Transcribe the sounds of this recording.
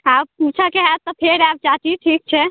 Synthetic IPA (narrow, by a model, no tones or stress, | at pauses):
abput͡ʃʰəkeɦat̪ːɔpʰeɾab̚d͡ʒat͡ʃiʈʰik̚t͡ʃʰɛ